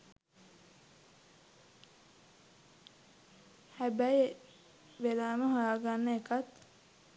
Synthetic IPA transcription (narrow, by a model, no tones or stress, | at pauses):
hæbæje | ʋelaːməɦaaɡanːəekat̪